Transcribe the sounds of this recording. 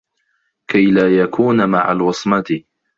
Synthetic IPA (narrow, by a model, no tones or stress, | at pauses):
kajlaːjakʰuːnmaʕa̰lwɑsˤmɑt̪ɪ